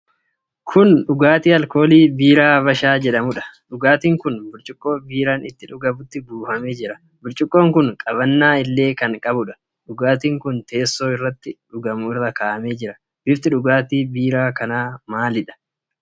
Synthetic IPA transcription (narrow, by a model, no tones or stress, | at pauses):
kʰʊnᶑʊɡaːt̪iːɐlko̞ːliːbiːɾaːbɐʃaːd͡ʒɛᶑɐmʊᶑɐ̥ᶑʊɡaːt̪iːŋkʊnbʊɾt͡ʃʼɪkʼːo̞ːbiːɾaːnɪt̪ːɪᶑʊɡɐbʊt̪ːɪbuːfɐmeːd͡ʒɪɾɐ | bʊɾt͡ʃʼɪkʼːo̞ːŋkʊnkʼɐbɐnːaːɪlːe̞ːkɐŋkʼɐbʊᶑɐ̥ | ᶑʊɡaːt̪iːŋkʊnt̪e̞ːsːo̞ːɪrːɐt̪ːɪᶑʊɡɐmʊɪrːɐkaːʔɐmeːd͡ʒɪɾɐ | bɪft̪ɪᶑʊɡaːt̪iːbiːɾaːkɐnaːmaːlɪᶑɐ̥